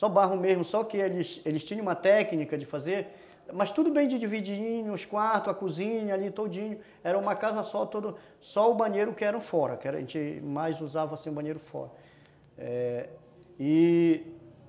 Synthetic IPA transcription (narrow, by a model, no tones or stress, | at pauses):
sɔbaɦʊmezmʊsɔkɪelɪselɪst͡ʃĩɲɐ̃ũmɐt̪ɛknikɐd͡ʒɪfazeɾ | mɐst̪ud̪ʊbẽj̃d͡ʒɪd͡ʒivid͡ʒĩɲʊʊskwaɾt̪ʊɐkuzĩɲɐalit̪od͡ʒĩɲʊ | ɛɾɐũmɐkazɐsɔt̪od̪ʊ | sɔʊbɐ̃ɲejɾʊkɪɛɾɐ̃w̃fɔɾɐkɪɛɾɐ̰ʒẽnt͡ʃɪmajzuzavɐasĩʊ̃bɐ̃ɲejɾʊfɔ̰ɾɐ | ɛ | ɪ